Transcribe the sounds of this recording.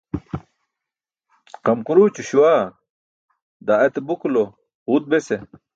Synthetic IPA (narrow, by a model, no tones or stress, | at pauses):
qɐmkuɾuːt͡ɕuɕuwaː | d̪aet̪ebukulo | hut̪̚bese